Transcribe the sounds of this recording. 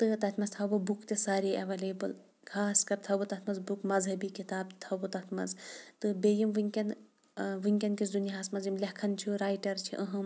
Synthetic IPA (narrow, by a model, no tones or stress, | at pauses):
t̪ɨt̪ɐt̪ʰmɐzt̪ʰɐbubukt̪esaːɾiɐʋɐleːbɨl | kʰaːskɐɾt̪ʰɐbut̪ɐt̪ʰmɐzbukmɐzɦɐbikit̪aːb̚t̪ʰɐbut̪ɐt̪ʰmɐ̰zt̪ɨbejimʋɨŋʲkʲɐn | ʋɨŋkʲɐnkiszunjaɦasmɐzimlʲɐkʰɐnt͡ʃʰuɾaːjʈɐɾt͡ʃʰḭʔɐɦɐ̃m